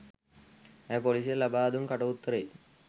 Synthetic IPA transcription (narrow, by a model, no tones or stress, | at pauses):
ɛpolis̬elɐbaːd̪umkɐʈɐut̪ːɐɾej